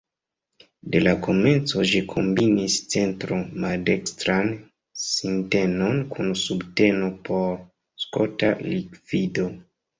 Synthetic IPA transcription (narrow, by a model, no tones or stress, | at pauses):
de̞lako̞me̞nt͡so̞ʒikʰo̞mbinist͡se̞ntɾomalde̞kstɾan | sinte̞no̞nkʰunsubte̞no̞pʰo̞ɾ | sko̰talikv̥ido̞